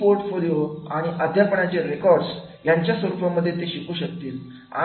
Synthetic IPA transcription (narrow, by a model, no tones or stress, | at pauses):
poɾʈfolijoaɽ̃iʔəd̪ʱjapəɳat͡ɕeɾekɔɾɖs | jaɲt͡ɕjasʋəɾupamːəd̪ʱːjet̪eɕikuːɕək̚t̪iːl | a̰